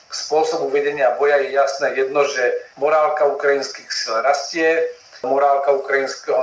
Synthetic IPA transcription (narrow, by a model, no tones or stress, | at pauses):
spʊɔsɔbuʋɛɟɛɲɪabɔjajɛjasnɛːjɛd̪nɔʒɛmɔɾaːlkaukɾajinskiːxsilɾascɪɛ | mɔɾaːlkaukɾajinskɛɦɔ